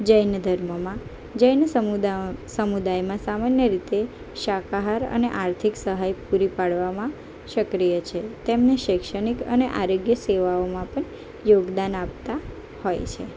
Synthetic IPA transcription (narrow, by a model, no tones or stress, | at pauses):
d͡ʒəjnd̪ʱəɾməmã | d͡ʒəjn | səmud̪ajmãsamanjəɾit̪e | ʃakaɦaɾə̰neʔaɾt̪ʰiksəɦajpuɾipaɽʋamã | ʃəkɾijət͡ʃʰet̪emneʃekʃəɽ̃ikə̰neʔaɾoɡjəseʋaomãpəɳ | joɡd̪anap̚t̪a | hojt͡ʃʰe